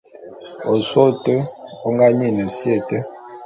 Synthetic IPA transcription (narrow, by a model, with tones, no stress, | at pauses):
o˨so˦tə˦o˦ŋɡa˦ɲi˦˨nə˨sje˦˨tə˦